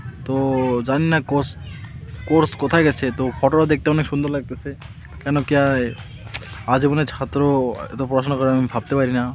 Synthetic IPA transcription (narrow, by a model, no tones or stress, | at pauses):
t̪od͡ʒaninakos | koɾskɔt̪ʰaɡɛt͡ʃʰet̪opʰɔʈoɾad̪ek̚ʰt̪eɔnekʃũnd̪ɔɾlaɡ̚t̪esʰe | kɛnɔkja | ad͡ʒebɔnet͡ʃʰat̪ɾoḛt̪ɔpɾɔɾasʰɔnakɔɾemmibʱabt̪epaɾina